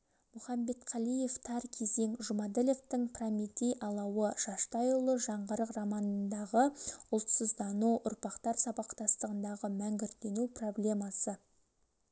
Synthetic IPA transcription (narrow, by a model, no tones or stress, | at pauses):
mʊχɑmbe̞t̪qʰɑlˠije̞ft̪ʰɑɾkʲʰe̞ze̞ŋʒʊmad̪ele̞ft̪ɪŋpʰramit̪ijʔɑlˠɑwəʃɑʃt̪ɑjʊlˠəʒɑɴʁəɾəqrɑmɑnənd̪ɑʁəʊlˠt̪səzd̪ɑnuʔʊɾpɑqt̪ɑɾsɑbɑqt̪ɑst̪əʁənd̪ɑʁəmæŋɡʲɪɾt̪e̞nupro̞blʲe̞mɑsə